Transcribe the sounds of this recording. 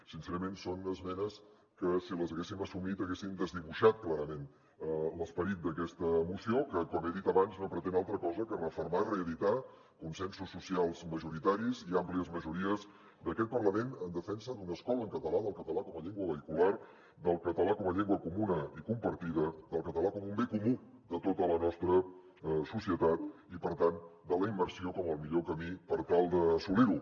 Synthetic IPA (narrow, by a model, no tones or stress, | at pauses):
sinsɛɾəmensonəzmɛnəs | kəsiləzəɣesiməsumit̪əɣesind̪əzðiβuʃat̪̚klaɾəmen | ləspəɾit̪̚d̪əkɛst̪əmusiokəkɔmeðit̪əβanznopɾət̪enalˠt̪ɾəkɔzəkərəfəɾmaireəðit̪a | kunsɛnsusːusialˠzməʒuɾit̪aɾiziampliəzməʒuɾiəz | d̪əkɛt̪̚pərləmenənd̪əfɛnsəd̪unəskɔləŋkət̪əlaðəlˠkət̪əlakɔməʎeŋɡwəβəikular | d̪əlˠkət̪əlakɔməʎɛŋɡwəkumunəikumpəɾt̪iðəðəlˠkət̪əlakɔmumbekumu | d̪ət̪ot̪ələnɔst̪ɾə | susiət̪at̪ | ipəɾt̪and̪ələimbəɾsiokɔməlˠmiʎokəmipəɾt̪alˠd̪əsuliɾu